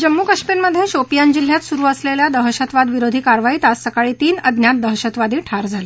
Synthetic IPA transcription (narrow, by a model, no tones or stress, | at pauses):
d͡ʑəmːuːkəʂpiɾməd̪ʱːjeɕopijand͡ʑil̤ːjat̪suɾuːəsleljad̪əɦəɕət̪ʋad̪ʋiɾod̪ʱiːkaɾʋait̪asːəkaɭiːt̪iːnəd̪ʱnjat̪̚d̪əɦəɕət̪ʋad̪iːʈʰaɾd͡zʱale